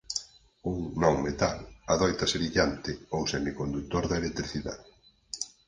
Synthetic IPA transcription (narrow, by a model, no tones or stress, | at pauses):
uŋnõŋmet̪a̰laðɔjt̪ɐseβiʎant̪ɪoŋsɛnikond̪ut̪oɾðɐelek̚t̪ɾiθiða̰ðɪ